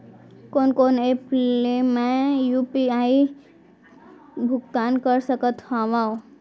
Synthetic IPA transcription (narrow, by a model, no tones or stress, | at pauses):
koːnkoneplemẽjupiai | bʱʊkt̪ankəɾsəkət̪ɦaʋão